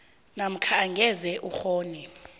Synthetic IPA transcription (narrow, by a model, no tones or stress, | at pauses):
nam̩kʰaŋɡʱɛzɛʔuxoːni